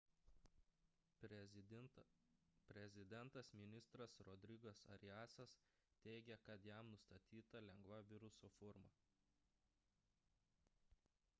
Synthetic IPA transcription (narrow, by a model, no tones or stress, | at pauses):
pʲɾʲɛzʲɪd̪ʲɛnt̪ɐsmʲɪnʲɪst̪ɾɐsɾɔd̪ʲɾʲɪɡɐsɐ̰ɾʲɪæːsɐs | t̪ʲɛɪɡʲɛkɐt̪jæˑmnʊst̪ɐt̪ʲiːt̪ɐlʲɛŋɡʋɐʋʲɪɾʊsoːfʊɾmɐ